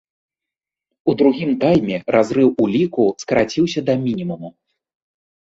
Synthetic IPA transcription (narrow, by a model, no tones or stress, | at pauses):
ud̪ɾuɣʲimt̪ajmʲɛɾʔazɾɨwulʲikuskɐɾat͡sʲiwsʲɐd̪ɐmʲinʲimumu